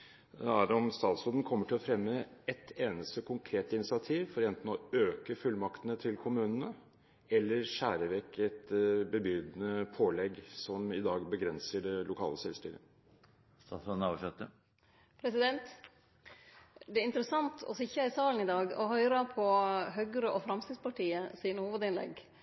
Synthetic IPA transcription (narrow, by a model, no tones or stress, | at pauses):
ɛæːɾɔmst̪ɑːt̪sɔd̪n̩kʰɔmːəʈʰɪlɔfɾɛmːəɛt̪ʰeːnəst̪əkʰʊŋkʰɾeːt̪ɪnɪsɪɑt̪ʰiːʋfɔɾɛnt̪n̩ɔøːkəfʉlmɑkt̪ənət̪ʰɪlkʰʊmʉːnənə | ɛlːəɾʂæːɾəʋɛkːɛt̪bəbʏd̪nəpʰoːlɛɡsɔmɪd̪ɑːɡbəɡɾɛnsəɖɛlʊkʰɑ̰ːləsɛ̰lst̪y̰ːɾə̰ | st̪ɑt̪ɑnɑːʋʂɛt̪ːə | pʰɾɛsɪd̪ɛnt̪ | d̪ɛæɪnt̪əɾəsɑnt̪ʰɔ̰sɪçəɪsɑːln̩ɪd̪ɑːɡɔhœʏɾɑpʰɔɦœɡɾəʔɔfɾɑmst̪iːspʰɑʈʰiːəsɪnəhuːʋəd̪ɪnlɛ̰ɡ